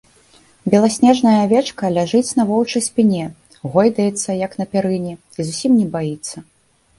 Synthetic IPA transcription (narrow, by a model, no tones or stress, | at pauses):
bʲɛlˠasʲnʲɛʐnɐjɐvʲɛt͡ʂkɐlʲaʐɨt͡sʲn̪ɐvɔwt͡ʂɐjsʲpʲinʲɛ | ɣɔjd̪ɐjɛt̪sːɐjɐkn̪ɐpʲɛɾɨnʲi | izusʲimnʲɛbajit̪sːɐ